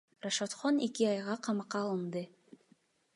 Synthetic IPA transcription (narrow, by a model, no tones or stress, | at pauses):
raʃot̪χonekiɑjʁɑqʰɑmɑqːɑːlˠɯnd̪ɯ